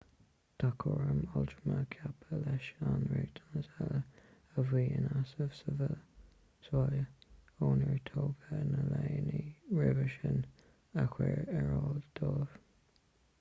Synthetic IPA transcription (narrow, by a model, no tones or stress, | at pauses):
t̪ʰakʰoɹəmɔltɹəmakʰapʰəlɛʃanɹeːɡd̪̥ʰanətɛlə | əviːənasəvsəvə | swajəoːnəɹtʰoːɡənəleːniɹɪvəʃən | əxwɛɹɛɹɑːld̪̥oːv̥